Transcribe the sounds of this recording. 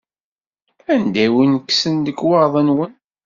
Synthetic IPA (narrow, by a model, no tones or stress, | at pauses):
ænd̪æwinəkːsənd̪əɡwɑɾˤðˤənwən